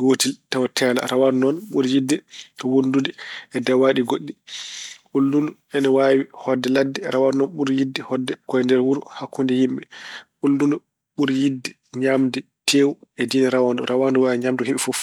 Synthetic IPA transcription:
ɡoːtiltawatʰɛːla̰ɾawaɾnɔnɓuɾjidːɛtɔwondudɛɛdawaɗiɡoɗːi | ɓulːundu | ɛnɔwawihɔdːɛladːɛɾawaɾnɔnɓuɾjidːɛhɔdːɛkɔjɛndɛɾwuɾuhakʰːundɛjimɓɛɓulːundu | ɓuɾjidːɛ | ɲamdɛ | tʰeːwuɛdinɛɾawandɔɾʔawanduwawiɲamduhiɓifɔf

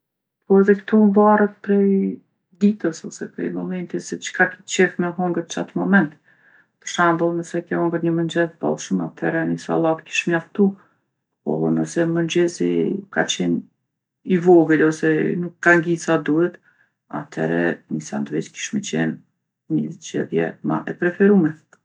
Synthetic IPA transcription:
pɔɛðɛkt̪umvarət̪̚pɾɛj | d̪it̪əsɔsɛpɾɛ̰jmɔmɛnt̪isɛt͡ʃkakit͡ʃɛfmɛɦɔŋɡət̪t͡ʃat̪mɔmɛnt̪ | pəɾʃand̪əlˠnəsɛkɛhɔŋɡəɾɲəmənd͡ʒɛzba̰lˠʃumat̪ʰɛɾɛnisa̰lˠatki̥ʃmjaft̪u | pɔ̰nəsɛmənd͡ʑɛzḭka̰t͡ɕɛn | ivɔɡəlɔsɛnukːaŋɡisad̪uhɛt̪ | a̰t̪ʰɛ̰ɾɛ̰nisa̰nd̪vit͡ʃki̥ʃmɛt͡ɕɛ̰n | ɲəzd͡ʒɛ̰ðjɛ̰ma̰ʔɛpɾɛfɛɾumɛ

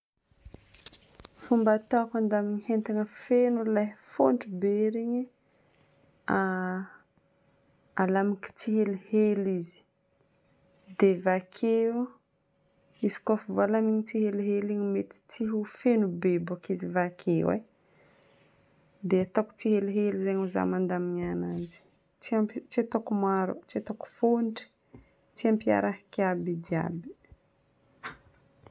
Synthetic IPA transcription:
fumbat̪akand̪amiɲihent̪aŋəfenulajfo̰ɳɖ͡ʐibeɾiɲi | a | alamaki̥t͡siɦelihelizi̥ | d̪evakʰe | isi̥kofuvalamiɲit͡siɦeliɦeliɲimet̪i̥t͡siɦufenubebakizivakʰewḛ | d̪eat̪aku̥t͡siɦeliɦelizaɲuza̰mand̪amiɲanand͡ʒi̥ | t͡ʃiamt͡ʃiet̪okumaɾṵt͡ʃiat̪oku̥foɳʈ͡ʂi̥ | t͡siampia̰ɾaɦkabid̪ia̰bi̥

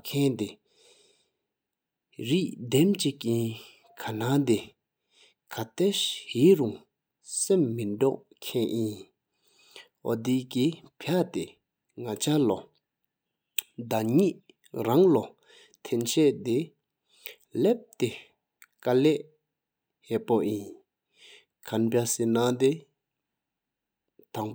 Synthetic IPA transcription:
kʰɛnt̪e | ɹiʔd̪ɛmt͡ɕiʔkiː | kʰanat̪e | kʰat̪eɕhiːʔɹuŋ | semːindɔʔ | kʰɛːʔjin | ʔɔ̰d̪ikipʰat̪e | ŋat͡ɕʰalɔ | d̪aɲiʔʔ | ɹaŋlɔ | t̪ʰɛnt͡ɕʰɛʔt̪e | lep̚t̪e | kalɛʔ | hɛʔpojin | kʰanpasenat̪e | t̪aŋ

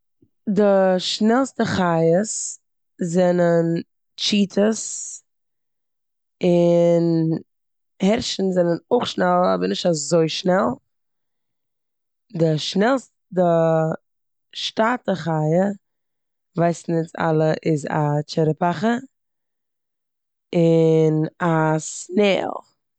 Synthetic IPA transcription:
dɪʃnɛlˠstəχajəs | zɛnən | t͡ʃiːtʰəs | ɪn | hɛɾʃn̩zɛnənʊχʃnɛlˠɔ̰bəɾnɪʃtazoɪʃnɛlˠ | dɪʃnɛlˠs | dɪ | ʃtaːtəχaɪə | vaɪsn̩ɪt͡sa̰lˠəʔɪza̰t͡ʃɛɾəpaχə | ɪnasnɛ̰ːlˠ

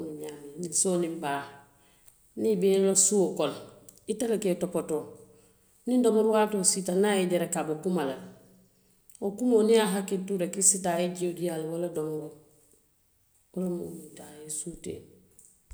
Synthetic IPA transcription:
nuɲaninisoːnimbaː | nibelosuokol | italeketopoto | nindomoɾuwatositanaeɟeɾekabokumalal | okumoniaɦaketuɾekisitaeɟiodijalwoladomɡo | wolamo̰mitaesutḛ

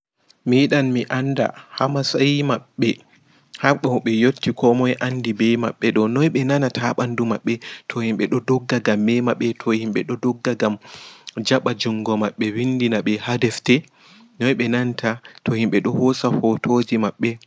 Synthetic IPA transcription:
miːɗanmiʔanda̰hamasajmaɓːɛ | haɓɔɓɛjotːikʰɔmɔjʔanːdibɛjma̰ɓːɛɗɔnɔjɓɛnanatʰaɓandumaɓːɛtʰɔhimɓɛɗɔdɔɡːaɡamːɛmaɓɛtʰɔhimɓɛɗɔdɔɡːaɡamd͡ʒaɓad͡ʒuŋɡɔmaɓːɛwindinaɓɛhadɛftɛ | nɔjɓɛnantʰatʰɔhimɓɛɗɔhɔsafɔtʰod͡ʒimaɓːɛ

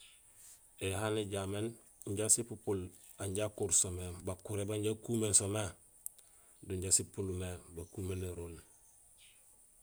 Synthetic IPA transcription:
ehaneɟamen | ɲɟasipupul | aɲɟakuɾsomebakuɾebaɲɟakuːmensome | duɲɟasipulumebakuːmeneɾul

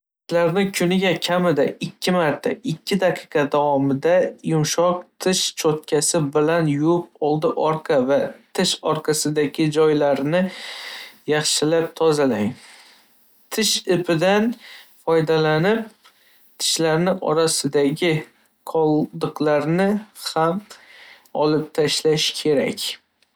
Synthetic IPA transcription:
t̪ʰɪ̥ʃlaɾnɪkʲʰʊnɪɡʲakʲʰamɪd̪aɪkʲʰːɪmaɾt̪ʰa̰ɪkʲʰːɪd̪aqʰɨ̥qʰɑd̪awɒmɪd̪ajʊmʃɒq̚t̪ʰɪʃt͡ʃʰot̪̚kʲʰasɪbɪlanjʊʊp̚ɒlˠd̪ɪʔɒɾqʰɑvat̪ʰɪʃɒɾqʰɑsɪd̪aɡʲɪd͡ʒɒjlaɾnɪ | jɑχʃɪlap̚t̪ʰɒzalaŋ | t̪ʰɪʃɪpʰɪd̪anfɒjd̪alanɪp̚ | t̪ʰɪ̥ʃlaɾnɪʔɒ̰ɾasɪd̪aɡʲɪ | qʰɒlˠd̪ɨqlaɾnɪham | ɒlɪp̚t̪ʰaʃlaʃkʲʰe̞ɾa̰kʲ

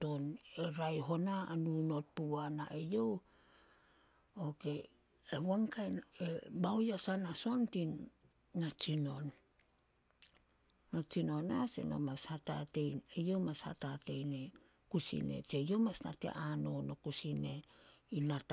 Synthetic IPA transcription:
toneɾajɦo̞naːnuno̞t̚puanaʔejo̞w | oke̞ | ewaŋkajnebawjasanaso̞ntinː | at͡ʃino̞n | at͡ʃino̞nasḛno̰mashata̰te̞jnejo̞wmasha̰tate̞jne | kusḭne̞̰t͡ʃejo̞wmasna̰tḛʔano̞no̞kusine̞inat

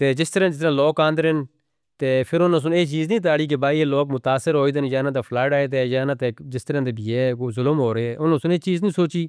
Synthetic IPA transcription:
t̪eːd͡ʒɪst̪əɾãd͡ʒɪst̪ɾãːloːkãːnd̪əɾɦɪn | t̪eːpʰɪɾʊnõːs̬ʊneːt͡ʃiːznĩːt̪̬aːɽiːk̬ɪbaːiːeːloːkmʊt̪aːsɪɾɦoːiːd̪enjaːnãːt̪eːpʰlaːʈaːeːt̪eːjaːnãːt̪eːd͡ʒɪst̪əɾãːd̪eːbiːɛːkoːzʊləmɦoːɾeːɛːʔʊnõːsʊneːt͡ʃiːznĩːsoːt͡ʃiː

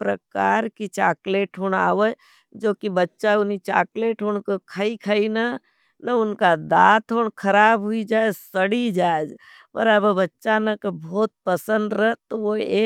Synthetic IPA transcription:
pɾɐkaːɾkit͡ʃaːkleːʈʰɦʊɳ̃a̰ːʋə | d͡ʒoːkibɐtːʃaʊnit͡ʃa̰ːkleːʈɦʊnkekʰəikʰəina | nɐʊnkad̪aːt̪ʰɦoːɳkʰɐɾaːbɦʊid͡ʒaːed͡ʒsəɽid͡ʒaːed͡ʒ | pə̰ɾəbbɐtːʃanɐkebʱoːt̪̚pəsə̃nd̪ɾəɦt̪oʋoe

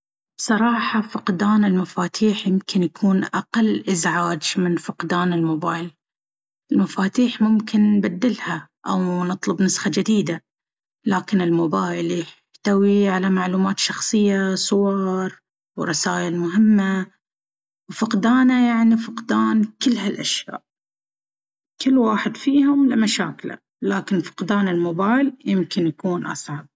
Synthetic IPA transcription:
sˤɑɾˤɑːħɑfʊqd̪aːnɪlmafaːt̪ʰiːħjɪmkʰɪnjakʰuːnʔaqalːʔɪzʕaːd͡ʒmɪnfʊqd̪aːnɪlmʊbaːjl | ʔɪlmafaːt̪iːħmʊmkɪnːbad̪ːɪlha | ʔawnɨt̪ˤlʊbnʊsxad͡ʒad̪iːd̪a | laːkɪnɪlmʊbaːjɪljɪħ | t̪awiʕalamaʕluːmaːt̪ʃɑxsˤɨjːasˤʊwɑɾˤ | wɾˤɑsaːʔɪlmʊɦɪmːa | wfɪqd̪aːnajaʕnifɪqd̪aːnkɪlːɦalʔaʃja̰ːʔ | kɪlːwaːħɪd̪fiːhʊmlɪmaʃa̰ːkla̰ | laːkɪnfɪ̥qd̪aːnɪlmʊbaːjljɪmkɪnjakuːnʔɑ̰sˤʕɑb̚

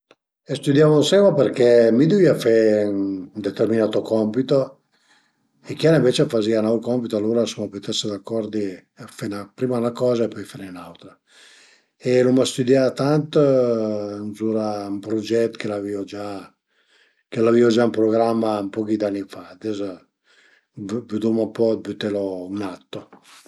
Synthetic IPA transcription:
est̪ud̪javonsɛmapeɾkɛmid̪uviafennd̪et̪erminaːt̪okɔmpit̪o | ekjaɾaiɱvet͡ʃeafazianawkɔmpit̪oalːuɾasumaput̪ɛsed̪akːɔɾd̪i | fenapɾimanakɔːzaepɔjfanenawt̪ɾa | elumast̪ud̪jat̪ant̪ | nzuːɾaumpɾod͡ʒɛt̪ːkelaviod͡ʒa | kelaviod͡ʒaumpɾoɡɾamːampɔkid̪anːifad̪ɛz | vyd̪umampɔbyt̪ːɛlounat̪ːo

